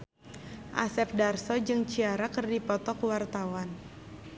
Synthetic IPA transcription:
ʔa̰sɛp̚darsɔd͡ʒɨŋt͡ʃiaɾakərdipɔt̪ɔkwart̪awan

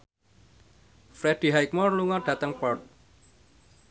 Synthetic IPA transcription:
fɾɛd̥i̤ɦajk̚mɔrluŋɔɖ̥ä̤t̪əŋpɔrt̪̚

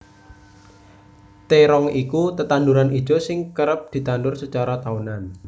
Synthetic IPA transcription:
t̪eɾɔŋikut̪ət̪anduɾanʔi̥ʒ̥o̤sɪŋkəɾəp̚d̪̥i̤t̪andʊrsət͡ʃaɾat̪aunan

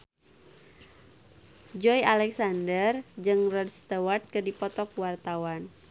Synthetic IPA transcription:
d͡ʒɔjalɛksandərd͡ʒɨŋrədst̪əwat̪̚kərdipɔt̪ɔk̚wart̪awan

